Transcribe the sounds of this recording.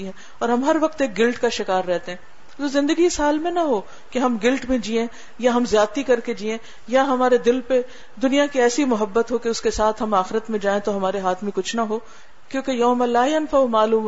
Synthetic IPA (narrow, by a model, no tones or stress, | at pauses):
iɦɛ̃ | ɔːɾɦɐmɦɐɾʋɐq̚t̪eːk̚ɡɪlʈkaʃɪkaːɾːɛɦt̪eɦɛ̃ | zoːzɪ̃nd̪əɡisaːlmẽnɐɦoː | keɦɐmɡɪlʈmẽd͡ʒiːẽ | jaɦɐmzjaːt̪ikɐɾked͡ʒiːẽ | jaɦɐmaːɾed̪ɪlpe | d̪ʊnijakiɛːsimʊɦəbːət̪ɦokeʊskesaːt̪ʰɦɐmaːxɪɾət̪mẽd͡ʒaːẽt̪oɦɐmaːɾeɦaːt̪ʰmẽkʊt͡ʃʰnɐɦoː | kjõːkejɐːmalaːjɐnfɐumaːluːm